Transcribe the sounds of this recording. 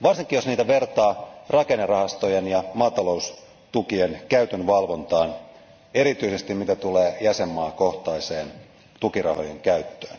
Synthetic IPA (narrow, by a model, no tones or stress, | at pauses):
ʋɑrsiŋkːˑijo̞sniːt̪æʋe̞rt̪ɑːrɑkenːerɑhɑst̪o̞jenjɑmɑːt̪ɑlo̞us | t̪ukienkæyt̪ønʋɑlʋo̞nt̪ɑːn | e̞ɾit̪yise̞st̪immit̪æt̪uleːjæsemːɑːkoht̪ɑiseːn | t̪ukirɑ̰ho̞̰jeŋkæyt̪ːøːn